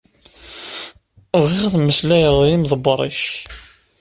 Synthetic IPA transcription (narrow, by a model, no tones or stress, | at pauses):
vʁɪʁθməslæjəɾðˤjimðˤəbɾˤiç